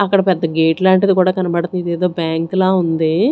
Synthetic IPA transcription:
ɐkːɐɽɐpɛd̪ːɐɡeːʈlaːɳʈɐd̪ikuːɽaːkɐnɐbɐɽɐt̪unid̪eːd̪o̞ːbjaːŋklaːund̪i

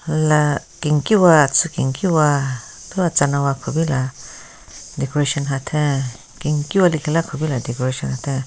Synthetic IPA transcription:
lakiŋkiwat͡sɨkiŋkiwabiwat͡sanãwakʰobila | d̪ekoɾeʃonɦat̪ʰẽ | kiŋkiwalikilakʰobilad̪ekoɾeʃonhat̪ʰe

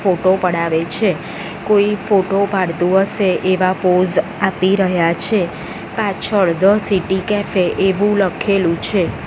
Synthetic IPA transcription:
foʈopəɽaʋet͡ʃʰe | koifoʈopaɽt̪ũɦəʃeʔeʋapod͡ʒapiɾəɦjat͡ʃʰe | pãt͡ʃʰəɭd̪əsiʈikɛfeʔeʋũləkʰelũt͡ʃʰe

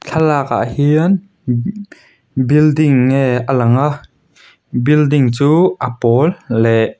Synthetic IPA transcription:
t͡ɬʰalaːka̰ʔhiən | bildɪŋːejʔəlɐŋaʔ | bildɪŋt͡suːʔəpɔlːɛʔ

